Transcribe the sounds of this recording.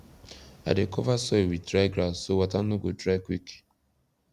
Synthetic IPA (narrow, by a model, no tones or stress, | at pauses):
a̰dekɔvasɔiwidɾaɪɡɾasowatanoɡodɾakwik